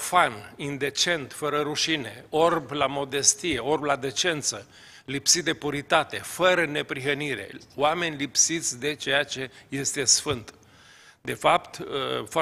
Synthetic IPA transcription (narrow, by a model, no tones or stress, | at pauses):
fanind̪e̞t͡ʃe̞nt̪fəɾəɾuʃine̞o̞rblamo̞d̪e̞st̪ije̞o̞rblad̪e̞t͡ʃe̞nt̪sə | lipsit̪̚d̪e̞puɾit̪at̪e̞fəɾəne̞pɾiɦəniɾe̞̰wame̞nʲlipsit̪sʲd̪e̞t͡ʃe̞jat͡ʃe̞je̞st̪e̞sfɨnt̪ | d̪e̞fapt̪əf